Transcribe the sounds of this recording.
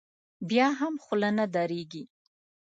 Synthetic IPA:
bjɑɦamxlanad̪ɑɾeɡi

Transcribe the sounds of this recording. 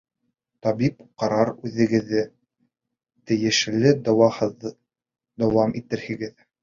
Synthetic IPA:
t̪ɑbipqɑɾɑɾʉðɘ̆ɡɘ̆ðːɘ | t̪ɘ̆jɘ̆ʃlɘd̪wɑhɤð | d̪ɑwɑmʔit̪ɘɾhɘ̆ɡɘð

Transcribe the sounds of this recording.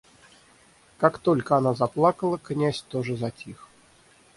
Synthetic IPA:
kakt̪olʲkəanazaplˠakəlˠəknʲæsʲt̪oʐəzatʲix

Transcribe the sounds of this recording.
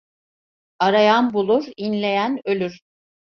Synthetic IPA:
aɾajanbulˠuɾinlʲe̞jænø̞lʲyɾ̥

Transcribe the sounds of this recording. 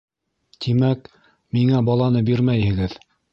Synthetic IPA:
t̪ʰimæk | miŋæbɑlˠɑnɤbiɾmæjhɘ̆ɡɘð

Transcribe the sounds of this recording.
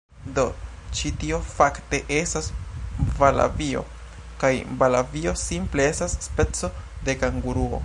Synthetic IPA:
do̞ | t͡ʃitio̞fakte̞ʔe̞stasvala̰vio̞̰ | kajbalavio̞simple̞e̞stasːpe̞t͡so̞de̞kaŋɡuɾuo̞̰

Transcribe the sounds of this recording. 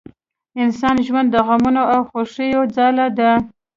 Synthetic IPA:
ɪnsɑnʒwand̪ːəɣamunoawxoʂəjod͡zɑlad̪a

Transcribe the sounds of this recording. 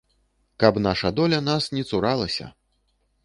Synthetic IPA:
kɐpn̪aʂɐd̪ɔlʲɐnasnʲɛt̪suɾalˠɐsʲɐ̰

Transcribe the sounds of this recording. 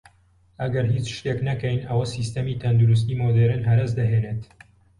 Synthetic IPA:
ʔɐɡɐɾɦiːt͡ʃʃt̪eːknɐkɛjnʔɐwɐsist̪ɐmiːt̪ʰɐnd̪uɾus̬t̪iːmod̪eɾɨnɦɐɾɐs̬d̪ɐɦeːnet̪

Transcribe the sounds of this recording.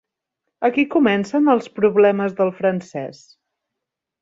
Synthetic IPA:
əkikumɛnsənəlˠspɾuβlɛməzðəlˠfɾənsɛ̰s

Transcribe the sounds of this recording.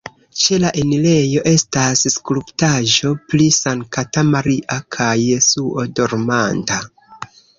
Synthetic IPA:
t͡ʃe̞laʔenile̞jo̞ʔe̞stasskluptaʒo̞plisaŋkatamaɾiʔakʰajːe̞suʔo̞doɾmanda

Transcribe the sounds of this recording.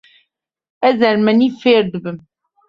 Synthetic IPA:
ɛzɐɾmɛniːfeːɾd̪ɨbɨm

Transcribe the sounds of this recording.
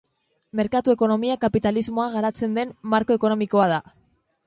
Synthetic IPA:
me̞ɾkat̪ue̞ko̞no̞miakapit̪alizmo̞aɣaɾat͡se̞nd̪e̞mːaɾko̞e̞ko̞no̞miko̞að̞a

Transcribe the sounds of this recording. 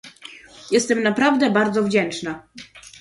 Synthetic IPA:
jɛst̪ɛmnapɾavd̪ɛbaɾd̪zɔvd͡ʑɛnt͡ʂna

